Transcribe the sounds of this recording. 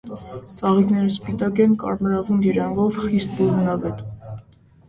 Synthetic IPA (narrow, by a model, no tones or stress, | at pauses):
t͡sɑʁiknɛɾəspit̪ɑkɛnkɑ̰ɾməɾɑvund̪iɾɑnɡɔvχist̪̚buɾmnɑvɛt̪